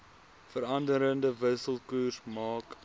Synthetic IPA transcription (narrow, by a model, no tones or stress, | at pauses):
fəɾɐndəɾəndəvəsəlˠkuːrsmɑːk